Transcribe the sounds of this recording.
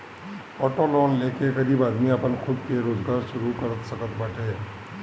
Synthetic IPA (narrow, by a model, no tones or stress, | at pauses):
ɔːʈolɔːnleːkekəɾiːbaːd̪miɐpənxʰʊb̪keɾoːzɡaːɾʃʊɾukəɾət̪səkət̪baːʈeː